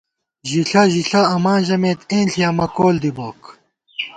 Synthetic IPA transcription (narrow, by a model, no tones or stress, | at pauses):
ʑiɬɐʑiɬɐɐmaːnʑɐmeːt̪ẽːnɬʰijaːmɐkoːld̪iboːk